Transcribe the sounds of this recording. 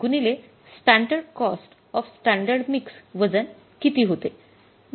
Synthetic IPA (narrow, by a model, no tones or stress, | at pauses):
ɡunile | sʈæɳɖəɾɖkɔsʈ | ɔfsʈæ̃ɳɖəɾɖmiksʋəd͡zən | kit̪iːɦot̪e